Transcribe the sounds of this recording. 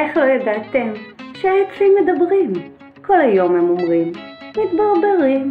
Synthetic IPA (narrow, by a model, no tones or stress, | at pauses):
eχlo̞jad̪at̪emʃeajot͡sʁimːed̪abʁim | ko̞lajo̞memo̞mʁimmit̪baʁbeʁim